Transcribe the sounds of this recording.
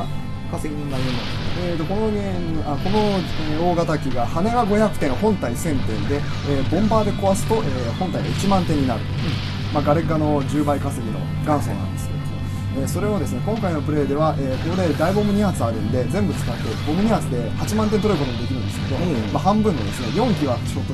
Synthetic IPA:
kseiiamo | eːt̪o̞ko̞noɡenako̞no̞eoːɡat̪akʲiɡahane̞βaɡo̞çakɯ̟t̪ẽ̞ɰ̃hõ̞nt̪aisẽ̞nt̪ẽ̞nd̪e̞ | eːbõ̞mbaːd̪e̞ko̞βasɨ̥t̪o̞ʔeːhõ̞nt̪aiɡait͡ɕimãnt̪e̞ɲ̟ːinaɾɯ̟t̪o | maɡaɾe̞kano̞d͡ʑɨːbaikaseɡʲino̞̰ | ɡãɰ̃so̞̰ːnã̰nd̪e̞sɨ̥ke | eːso̞ɾe̞od̪e̞sɨne̞kõ̞ŋkaino̞pɯ̟ɾe̞ːd̪e̞βaʔeːkoɾe̞ːd̪aibo̞mɯ̟ɲ̟ihat͡sɨaɾɯ̟̃nd̪e̞d͡zẽ̞mbɯ̟t͡sɨ̥kat̪ːebo̞mɯ̟ɲ̟ihat͡sɨd̪e̞hat͡ɕimãnt̪ent̪oɾɯɯko̞t̪omod̪ekʲiɾɯ̟nd̪esɨ̥ke̞d̪omaɦãmbɯ̟̃nːo̞d̪e̞sɨne̞jõ̞ŋkʲiβat͡ɕot̪ːo

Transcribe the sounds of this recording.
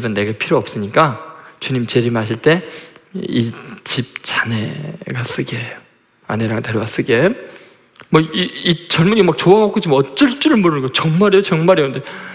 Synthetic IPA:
ibɯnːe̞ɡepʰiɾoʌps͈ɯɲik͈at͡ɕuɲimt͡ɕeɾimɦaɕʰiɭt͈e̞ | it͡ɕip̚t͡ɕane̞ɡas͈ɯɡejo | a̰neɾaŋteɾjʌɡas͈ɯɡe | mʌiit͡ɕʌɭmuɲimak̚t͡ɕoaɡak͈ot͡ɕimʌt͡ɕ͈ʌɭt͡ɕ͈uɾɯɭmoɾɯnɡʌt͡ɕʌŋmaɾeot͡ɕʌŋmaɾeokɯnde

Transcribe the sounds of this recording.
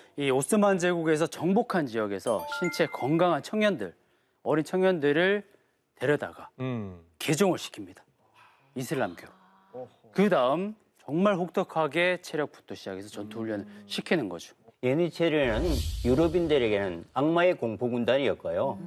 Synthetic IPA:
ios͈ɯmand͡ʑeɡuɡe̞sʰʌt͡ɕʌŋbokʰand͡ʑijʌɡe̞sʰʌ̰ɕʰint͡ɕʰe̞kʰʌŋɡaŋɦant͡ɕʰʌŋɲʌndɯ̰ɭ | ʌɾint͡ɕʰʌŋɲʌndɯɾɯɭ | te̞ɾjʌda̰ɡa | ke̞d͡ʑoŋɯɭɕʰi̥kʰimɲid̥ḁ | isʰɯɭːamkʰjo | kɯdaɯm | t͡ɕʌŋmaɭɸok̚t͈ʰʌkʰaɡe̞t͡ɕʰe̞ɾjʌk̚p͈u̥tʰoɕʰid͡ʑa̰ɡe̞sʰʌt͡ɕʌntuʎːʌnɯɕʰikʰinɯnɡʌ̰d͡ʑo̥enit͡ɕʰeɾɯnɯnjuɾʌbindɯɾe̞ɡe̞nɯnaŋmaekoŋpʰoɡundaɲiʌt̚k͈ajo

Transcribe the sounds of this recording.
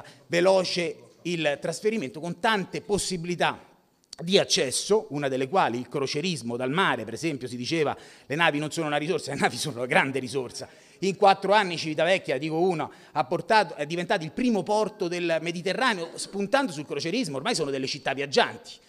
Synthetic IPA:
velɔːt͡ʃe | ilt̪ɾasfeɾiment̪okont̪ant̪eposːibilit̪a | d̪iat͡ʃːɛsːounad̪elːekwaːliːlkɾot͡ʃeɾizmod̪almaːɾepeɾezɛmpjosid̪it͡ʃeːva̰lenaːvinonsoːnounaɾisorsalenaːvisoːnoɡɾand̪eɾizorsa | iŋkwat̪ːɾoanːit͡ʃivit̪avɛkːjad̪iːkouːna | apːort̪aːt̪oɛd̪ivent̪aːt̪oilpɾiːmopɔrt̪od̪elmed̪it̪erːaːneospunt̪and̪osulkɾot͡ʃeɾizmoːrmajsoːnod̪elːet͡ʃit̪ːavːjad͡ʒːant̪i̥

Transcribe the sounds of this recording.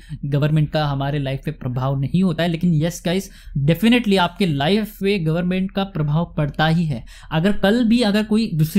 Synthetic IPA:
ɡɐʋəɾmɛ̃ɳʈ̚kaɦɐmaːɾelaːɪfːẽpɾɐbʱaːʋnɐɦĩɦoːt̪aɦɛleːkɪnjɛskaɪs | ɖɛfɪnɪʈliaːp̚kelaːɪfːẽɡɐʋəɾmɛ̃ɳʈ̚kapɾɐbʱaːʋpɐɽt̪aɦiɦɛː | ɐɡəɾkɐlbʱiɐɡəɾkoːid̪uːsɾ

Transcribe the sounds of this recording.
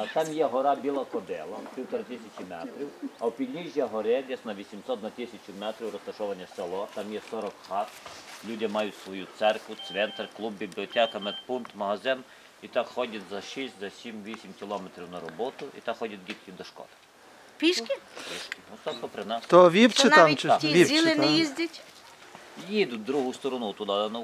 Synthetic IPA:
ɐt̪ɑmjɛɦɔɾabʲilˠɐkɔd̪ɛlˠɐp̪ɾʲiwt̪ɐɾɪt̪ɪsʲɐt͡ʃimɛt̪ɾʲiwɐwpʲilʲnʲiʒʲjɐɦɔɾɛd̪ʲɛsnɐʋʲisʲimsɔt̪nɐt̪ɪsʲɐt͡ʃʲʊmɛt̪ɾʲiwɾɔst̪ɐʃɔʋɐnʲːɐsɛlˠɔt̪amjɛsɔɾɔkxɑt̪lʲudʲɪmɑjʊtʲsʋɔjut̪sɛrkʋʊsʲʋɛnt̪ɐrklˠubbʲiblʲiɔtʲɛkɐmɛd̪punt̪mɐɦɐzɪn | it̪akxɔdʲɐt̪ʲzɐʃisʲtʲzɐsʲimʋʲisʲimkʲɪlˠɔmet̪ɾʲiwnɐɾɔbɔt̪ʊʔḭt̪axɔdʲɐt̪̚ʲɡʲit̪kʲid̪ɔʃkɔ̰d̪ | pʲiʃkʲɪpʲiʃkʲɪɔst̪ɔkɔpɾɪnɑst̪ɔʋʲipt͡ʃɪnaʋit͡ʃ̪ʲizʲilˠɪnɛjizʲdʲɐtʲ | jid̪ʊd̪ɾuɦʊst̪ɔɾɔnut̪ʊd̪ad̪ɐnɔ

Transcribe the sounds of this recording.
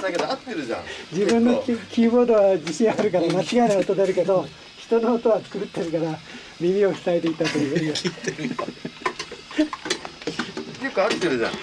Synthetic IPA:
d̪aked̪oat̪ːeɾɯ̟ʑã̰d͡ʑibɯ̟̃nːo̞kʲkʲiːbo̞ːd̪o̞βad͡ʑiɕĩaaɾɯ̟kaɾamat͡ɕiɡaenaot̪ːod̪eaɾɯ̟ke̞d̪o̞ | çi̥t̪o̞noːt̪o̞βat͡sɨ̥kɯɾɯt̪ʰːe̞ɾɯ̟kaɾa | mʲimʲio̞çi̥saet̪e̞it̪ːat̪ojiɦoimas | okɯat̪ːeɾɯ̟ʑã̰

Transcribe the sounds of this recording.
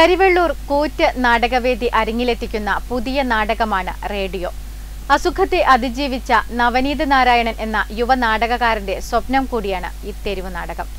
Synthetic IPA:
kɐɾiʋeɭːuːrkuːtːɨnaːɽɐɣɐʋe̞ːd̪iʔɐɾuŋːile̞t̪ːikʲːunːɐpuðijɐnaːɽɐɣɐmaːɳɨ̰re̞ːɖijo̞ː | ɐsukʰɐt̪ːeʔɐd̪id͡ʑiːʋit͡ɕːɐnɐʋɐniːd̪ɐnaːɾaːjɐɳɐmʔe̞nːɐjuʋɐnaːɽɐɣɐɣaːɾinde̞swɐpnɐmkuːɽijaːɳɨ̰it̪ːeɾiʋɨna̰ːɽɐɣɐm

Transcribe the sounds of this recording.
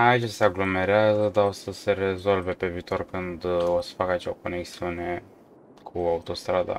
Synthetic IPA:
ait͡ʃseaɡlo̞me̞ɾeazəd̪aosəse̞ɾe̞zo̞lve̞pe̞viːt̪o̞rkɨnd̪o̞sə̥fakat͡ʃeoko̞ne̞ksiune̞ | kʰuaut̪o̞st̪ɾad̪a̰

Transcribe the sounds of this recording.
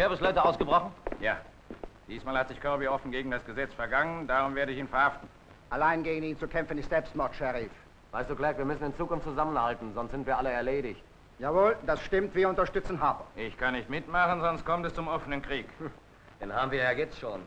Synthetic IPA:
abslɔʏtəaʊsɡ̥əbʁɔχn̩jaː | d̥iːsmaːlhatz̥ɪçkʰœɐbiɔfn̩ɡeːɡŋ̩dasɡ̥əzɛt͡sfɛɐɡaŋəndaːʁʊmveːɐɾəɪçiːnfɛɐhaftn̩ | ʔalaɪnɡeːɡn̩iːnt͡sukʰɛmfənɪçz̥ɛlpstmɔɐtʃɛʁiːf | vaɪstd̥uːklɛɐkviɐmʏsn̩ɪnt͡suːkʊnftt͡suzamənhaltn̩zɔnstz̥ɪntv̥iːɐʔaləɛɐleːɾɪçt | jaːvoːldasʃtɪmtv̥iːɐʊntɐʃtʏt͡sn̩ɦaːbɐʔɪçkʰanːɪçtmɪtmaχnzɔnst̚kʰɔmtɛst͡sʊmʔɔfənənkʁ̥iːk | d̥enhaːbm̩viːɐjaːɡeːp̚tsʃoːn

